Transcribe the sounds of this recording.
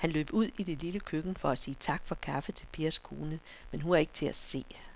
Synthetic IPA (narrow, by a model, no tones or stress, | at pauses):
hænlø̰ːb̥uð̞̰ˠid̥e̝liləkʰøɡ̥n̩fɒ̽æsiːt͡sʰɑ̈ɡ̥fɒ̽kʰɑfət͡sʰe̝lpʰiːɐskʰo̝ːnə | menɦunæɐe̝ɡ̥t͡sʰe̝æse̝̰ː